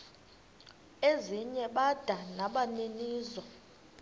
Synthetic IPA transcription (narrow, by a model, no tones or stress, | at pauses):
eziɲɛɓad̥ʱanaɓaneniːzɔ